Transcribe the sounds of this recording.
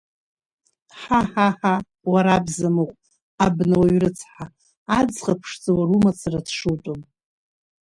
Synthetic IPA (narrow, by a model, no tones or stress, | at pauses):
ħaħaħa | waɾabzamoqʷʼ | abnawaɥrɨt͡sʰħa | ad͡zχapʰʂt͡sʼawarumat͡sʰaradʰʂɨltʼom